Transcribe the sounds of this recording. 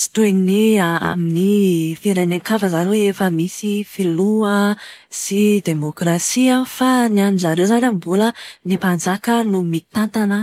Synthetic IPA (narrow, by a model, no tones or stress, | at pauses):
si̥t̪uennia̰minifeɾanaŋkavəzaɾowefəmisifiluəsid̪emokrasiafanianizaɾewzanambulənipand͡zakənumit̪ant̪anə